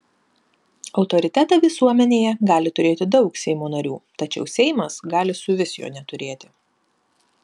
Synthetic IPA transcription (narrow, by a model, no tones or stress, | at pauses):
ɒʊt̪ɔɾʲɪt̪ʲɛt̪ɑːʋʲɪsuɔmʲɛnʲeːjɛɡɑːlʲɪt̪ʊɾʲeːt̪ʲɪd̪ɒʊksʲɛɪmoːnɐɾʲṵːt̪ɐt͡ʃʲɛ̰ʊsʲɛɪmɐsɡɑːlʲɪsʊʋʲɪsʲjo̰ːnʲɛt̪ʊɾʲeːt̪ʲɪ̥